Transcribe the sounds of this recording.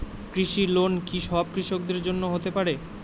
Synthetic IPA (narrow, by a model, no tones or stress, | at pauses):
kɾiʃiɾlonkiʃɔab̚kɾiʃok̚d̪eɾd͡ʑonːoɦot̪epaɾe